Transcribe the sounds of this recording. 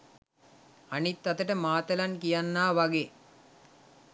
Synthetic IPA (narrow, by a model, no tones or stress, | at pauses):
anit̪ːɐt̪əʈəmaːt̪ɐlankijanːaːʋaɡe